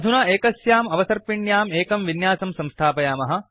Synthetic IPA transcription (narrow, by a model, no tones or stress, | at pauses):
d̪ʱunɐeːkɐsjaːmɐʋɐsɐɾpiɳjaːmeːkɐmʋinjaːsɐmsɐ̃mst̪ʰaːpɐjaːmɐɦɐ̆